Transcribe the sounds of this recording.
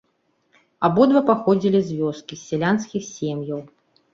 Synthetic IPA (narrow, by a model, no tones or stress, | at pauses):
abɔd̪vɐpaxɔd͡zʲilʲizʲvʲɔskʲisʲːɛlʲanskʲixsʲemjɐw